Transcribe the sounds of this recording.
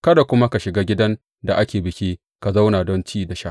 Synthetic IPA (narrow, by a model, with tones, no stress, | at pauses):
kɐ˦da˨kʷʊ˦ma˦ka˨ʃɪ˨ɡaː˦ɡʲɪ˦dɐ˦n | da˨ʔa˦kʲeː˨bɪ˨kʲi˦ | ka˨za˦wna˨dɔ˦nt͡ʃiː˦da˨ʃa˦